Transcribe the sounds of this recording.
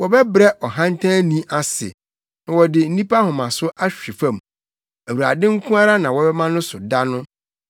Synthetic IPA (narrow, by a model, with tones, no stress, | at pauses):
wɔ˨bɛ˦bɾɛ˦ʔɔ˨ɦã˦n˦tʰã˦nĩ˦ʔa˨sɪ̰˨ | nã˨wɔ˨dɪ˨n̩˦nĩ˦pʰa˦hʊ̃˨mã˨sʊ˦ʔa˦ɕᶣi˨fã˦˨m | æ˨wu˨ɾa̰˨dɪ̃˦ŋ̩˦kʰũ˦a˦ɾa˦nã˨wɔ˨˦bɛ˦mã˦nʊ̃˦sʊ˨da˦nʊ̃˦